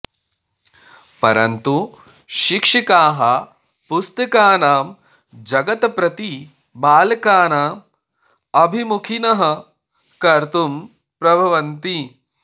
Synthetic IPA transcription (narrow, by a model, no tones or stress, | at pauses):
pɐɾɐ̰nt̪u | ʃikʂikaːɦɐ | pust̪ɐkaːnaːm | d͡ʒɐɡɐt̪pɾɐt̪i | baːlkaːnaː | ɐbʱimukʰinɐɦɐ | kɐɾt̪um | pɾɐbʱɐʋɐnt̪i